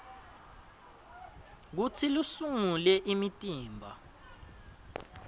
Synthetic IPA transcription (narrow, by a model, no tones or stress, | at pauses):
k̬ut͡sʰilusuŋulɛʔimitʼiːmbʱa